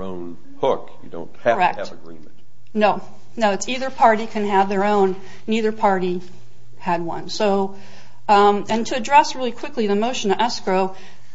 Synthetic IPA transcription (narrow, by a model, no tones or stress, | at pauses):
õ̰ʊ̃n | hʊkjɨ̰dõ̰ʊ̃nt̚khɨə˞ɛ̰k̚ɨvɨɡɹḭ̃mnt | noʊ | noʊɨtsiðə˞pʰɑɹɾikʰɨ̃nɨvðə˞õʊ̃nː | iðə˞pʰɑɹɾi | ɨd̚wʌ̰̃nsoʊ | ɨ̃ntʰɨɨdɹɛsɹɪlˠikʰw̥ɪkliðɨmoʊʃɨ̃nʌʔɛskɹoʊ